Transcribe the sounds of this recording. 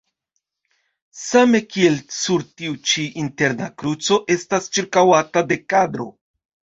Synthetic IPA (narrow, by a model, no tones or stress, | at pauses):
same̞kie̞lsuɾtiut͡ʃiʔinte̞ɾnakɾut͡so̞ʔe̞stast͡ʃiɾkawatade̞kadɾo̞̰